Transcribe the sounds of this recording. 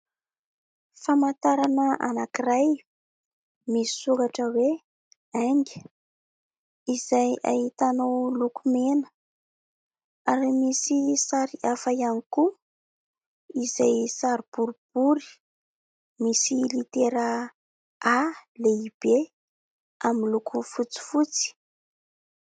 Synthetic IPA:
famant̪aɾanəa̰nakiraj | misi̥sukaʈ͡ʂəwe | aŋɡʲə | izaja̰ɦit̪anowlukumenə̥ | aɾimisisaɾiafajaniku | izajsaɾib̥uɾib̥uɾi̥ | misilit̪eɾə | aleib̥e | aminlukufut͡si̥fut͡si̥

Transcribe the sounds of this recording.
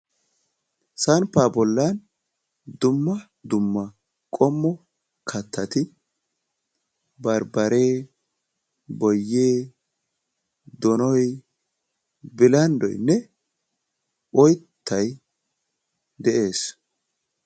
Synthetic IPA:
sɐnpːaːbɔlːan | d̪ʊmːɐ | d̪ʊmːɐ | kʼɔmːɔ | kʰɐt̪ʰːɐt̪ɪ | bɐɾbɐɾe̞ː | bɔjːeː | d̪ɔnɔj | bɪlɐnd̪ɔ̰jnːɛ | ʔɔjt̪ʰːɐj | d̪ɛʔe̞ːs

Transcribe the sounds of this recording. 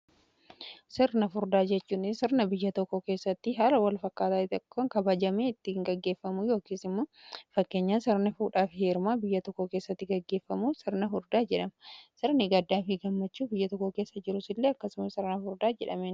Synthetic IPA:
sɪɾnɐfʊɾd̪aːd͡ʒɛt͡ʃːuːnɪsɪɾnɐbɪjːɐt̪ɔkːoke̞ːsːɐt̪ːɪɦaːlɐwɐlfɐkːaːt̪aːt̪kːoŋkɐbɐd͡ʒɐmeːɪt̪ːɪŋɡɐɡːe̞ːfːɐmujo̞ːkiːsɪmːoːfɐkːe̞ːɲːaːnsɪɾnɐfuːᶑaːfheːɾmaːbɪjːɐt̪ɔkːoke̞ːsːɐt̪ːɪɡɐɡːe̞ːfːɐmuːsɪɾnɐfʊɾd̪aːd͡ʒɛᶑɐmɐsɪɾnɪɡɐd̪ːaːfɪɡɐmːɐt͡ʃːuːbɪjːɐt̪ɔkːoke̞ːsːɐd͡ʒɪɾʊsɪlːeːɐkːɐsʊmɐsɪɾnɐfʊɾd̪aːd͡ʒɛᶑɐmeːn

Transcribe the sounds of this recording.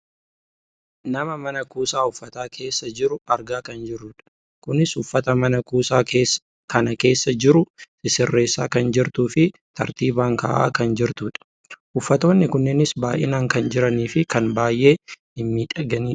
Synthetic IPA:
nɐmɐmɐnɐkuːsaːʊfːɐt̪aːkʰe̞ːsːɐd͡ʒɪɾʊɐɾɡaːkɐnd͡ʒɪɾːʊᶑɐ̥ | kʊnɪsʊfːɐt̪ɐmɐnɐkuːsaːkeːs | kɐnɐke̞ːsːɐd͡ʒɪɾʊ | ɪsɪrːe̞ːsːa̰ːkɐnd͡ʒɪɾt̪uːfɪt̪ɐɾt̪iːbaːŋka̰ːʔa̰ːkɐnd͡ʒɪɾt̪uːᶑɐ̥ | ʔʊfːɐt̪o̞ːnːɪkʊnːɛnɪsbaːʔɪnaːŋkɐnd͡ʒɪɾɐniːfɪkɐnbaːjʔe̞ː | ɪmːiːᶑɐɡɐniː

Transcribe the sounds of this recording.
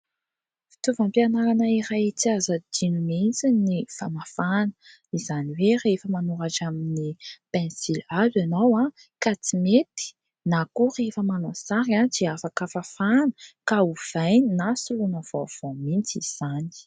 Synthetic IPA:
fi̥t̪uvampianaɾanaiɾajt͡siazəd̪inument͡sinifanafanə̥ | izaniwerefəmanuɾaʈ͡ʂaminipɛ̃nsilazanawa | kat͡simet̪i̥ | nakurefəmanosaɾadiafakafafanə̥kauv̥aj̪nasulunəvo̰v̥omint͡siz̥ani̥

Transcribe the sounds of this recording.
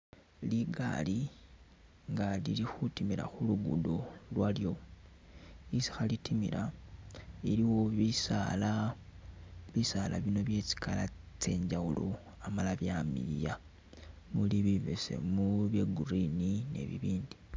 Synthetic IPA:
liɡa̰li | ŋɡalilixutimiɾa̰xuluɡṵdolwaljo̞ | isi̥xalitʰimḭɾa | iɾiwo̞βisala | βisala̰βino̞βje̞t͡si̥kʰala | t͡se̞ːɲɟawulo̰ | amalaβjamḭja | muliβiβḛse̞̰muβjeɡurinine̞̰βḭβiːndi̥

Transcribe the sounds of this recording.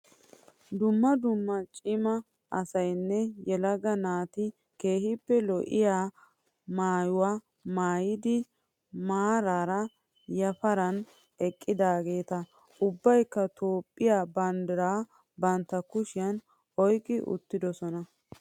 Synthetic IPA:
d̪ʊmːɐd̪ʊmːɐt͡ʃʼɪmɐ | ʔɐsɐjnːɛjɛlɐɡɐnaːt̪ɪ | ke̞ːhɪpːɛlɔʔɪ̰jaː | maːjʊwaː | maːjɪd̪ɪ | maːɾaːɾɐ | jɐfɐɾɐn | ɛkʼːɪd̪aːɡe̞ːt̪ɐ | ʊbːɐjkːɐt̪ʰoːpʼːɪjaːbɐnd̪ɪɾaː | bɐnt̪ːɐkʊʃɪjɐn | ɔjkʼːɪʔʊ̰t̪ːɪd̪ɔsɔnɐ

